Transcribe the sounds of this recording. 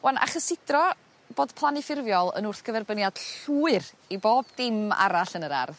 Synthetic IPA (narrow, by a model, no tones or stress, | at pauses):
wanʔa̰χəsɪdrɔ | b̥oːd̥pʰlˠanɪfɪrvjɔlˠə̰nʊrθɡ̥əvɛrbənjad̥ɬuːɨr | iboːbdɪma̰ɾaɬənəɾa̰rð